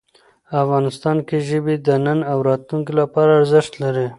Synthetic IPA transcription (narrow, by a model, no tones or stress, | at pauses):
afɣɑnɪst̪ɑnkeʒəbid̪ənənawɾɑt̪luŋkilapɑɾaːɾzɪʃt̪laɾi